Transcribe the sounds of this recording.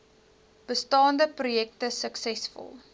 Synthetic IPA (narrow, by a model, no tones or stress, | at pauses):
b̥əstɑːndəprujɛktəsəksɛsfɔ̰lˠ